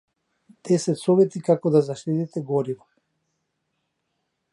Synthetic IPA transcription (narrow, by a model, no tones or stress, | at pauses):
d̪̥ɛsɛt̪sɔvɛt̪ikakɔd̪azaʃt̪it̪it̪ɛɡɔɾivɔ